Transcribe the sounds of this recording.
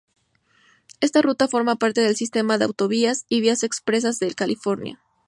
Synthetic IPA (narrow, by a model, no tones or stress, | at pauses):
e̞st̪arut̪afo̞ɾmapaɾt̪e̞ðe̞lsist̪e̞maðeawt̪o̞β̞iasiβiase̞kspɾe̞s̬azðe̞lkalifo̞ɾnja̰